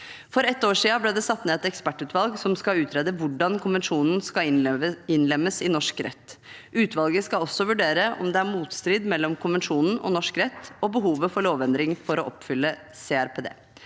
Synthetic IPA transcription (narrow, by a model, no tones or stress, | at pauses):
fɔɾɛt̪ːoːʂiːɑblɛːd̪ɛsɑt̪ːneːɛt̪ɛkspæʈːʉːt̪ʋɑlɡsɔmskɑʉːt̪ʰɾeːd̪əʋʊɖɑnkʰʊnʋɛnʂuːnn̩skɑɪnlɛmːəsɪnɔʂkɾɛ̰t̪ː | ʉːt̪ʰʋɑlɡəskɑɔsːɔʋʉɖeːɾəʔɔ̰md̪ɛæɾmuːt̪st̪ɾiːd̪mɛlːɔmkʰʊnʋɛnʂuːnn̩ɔ̰nɔʂkɾɛt̪ːɔbəɦuːʋəfɔɭoːʋɛnd̪ɾɪŋfɔɾɔʔɔpfʏlːə | seːæɾpʰeːd̪ḛː